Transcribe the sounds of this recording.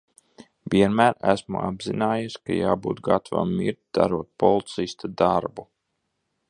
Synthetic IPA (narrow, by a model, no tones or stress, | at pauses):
vʲiɛnmæːɾæ̰smṵa̰bzinaːjuska̰jaːbṵːt̪ɡat̪ava̰mːiɾt̪̚ʲd̪̥aɾuɔt̪̚pɔlˠt̪sist̪ad̪aɾbu